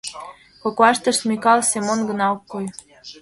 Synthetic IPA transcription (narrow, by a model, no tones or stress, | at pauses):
kokɑʃt̪ə̆ʃmʲikɑlsemonɡə̆nɑokːoj